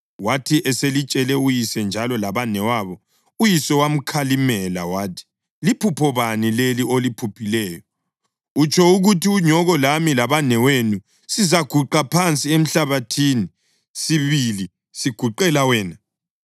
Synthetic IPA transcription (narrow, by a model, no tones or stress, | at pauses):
watʰiʔɛselit͡ʃʼɛlɛujisɛnd͡ʒʱalɔlaβanɛwaβɔ | ujisɛwam̩kʰalimɛla̰waːtʰi̥ | lipʰupʰɔβanileliolipʰupʰilɛːjɔ | ut͡ʃʼɔuɣutʰiuɲɔɣɔlamilaβanɛwenu | sizaɡ̥ʱuǃapʰant͡sʼiem̩ɬaβatʰini | siβili | siɡ̥ʱuǃɛlawɛːna